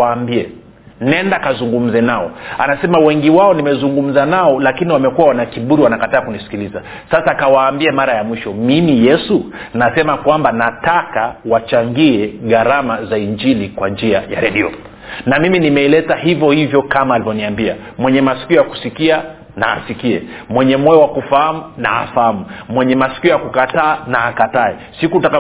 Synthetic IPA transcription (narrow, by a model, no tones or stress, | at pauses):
ambiɛ | nɛndakazuŋɡum̩zɛnaɔa̰nasɛmawɛŋɡiwaɔnimɛzuŋɡum̩zanaɔlakiniwamɛkuwawanakiɓuɾiwanakataːkunisi̥kiliza | sasaːkawaːmbiamaɾajamwiʃɔmimijɛsunasɛmakwambanatakawat͡ʃaŋɡiɛɣaɾamazaind͡ʒilikwand͡ʒiaja̰ɾɛɗiɔ̰ | namiminimɛilɛtahivjɔhivjɔkamaːlivɔniambia̰ | mwɛɲɛmasi̥kiɔjaku̥sikia | na̰ːsikiɛmwɛɲɛmɔjɔwakufahamuna̰a̰fahamumwɛɲɛmasi̥kiɔjakukataːnaːkataɛ | sikutaka